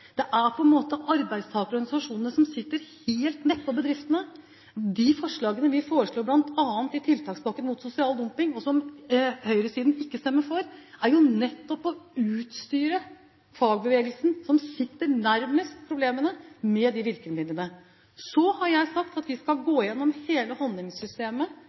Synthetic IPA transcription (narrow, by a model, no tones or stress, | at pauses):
d̪̥ɛʔæɾpʰɔɛnmoːt̪əʔɑɾbæɪd̪st̪ʰɑːɡəɾɔɾɡɑnɪsɑʂuːnəəsɔmsɪt̪ːəɾheːlt̪nɛt̪̚ːpʰɔbəd̪ɾɪft̪ənə | d̪ɪfɔʂɭɑːɡənəʋɪfoːɾəʂɭoːɾblɑnt̪ʰɑːnt̪ɪt̪ʰɪlt̪ʰɑːksbɑkːənmʊt̪sʊsɪɑːld̪ɔmpɪŋɔsɔmhœʏɾəsiːd̪n̩ɪkːəst̪ɛmːəɾfɔɾæɾjʊnɛt̪ːɔpɔʉːt̪st̪yːɾə | fɑːɡ̚bəʋeːɡəlsn̩sɔmsɪt̪ːəɾnæɾməspʰɾʊbleːmənəmɛd̪ɪʋɪɾkəlmɪnənə | sɔhɑɾjæɪsɑkt̪ɑt̪ʋɪskɑlɡoːjɛnːɔmheːləhɔnd̪ɪŋssʏst̪eːmə